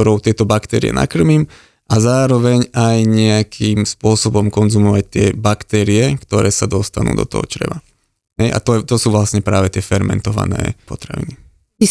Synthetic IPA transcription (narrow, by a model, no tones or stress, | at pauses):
ɔɾɔʊt̪ɪɛt̪ɔbakt̪ɛːɾḭjɛ̰na̰kr̩miːm | ʔazaːɾɔʋɛɲajɲɛakʰiːmspʊɔsɔbɔmkɔnzumɔʋac̚t̪ɪɛbakt̪ɛːɾiɛkt̪ɔɾʔɛːsad̪ɔst̪anṵːd̪ɔ̰t̪ɔ̰ɦɔ̰t͡ʃɾɛ̰ʋa | ɦɛjʔa̰t̪ɔɛt̪ɔsuːʋlasɲɛpɾaːʋɛt̪ɪɛfɛɾmɛ̰nt̪ɔʋa̰nɛ̰ːpɔt̪ɾaʋḭni | i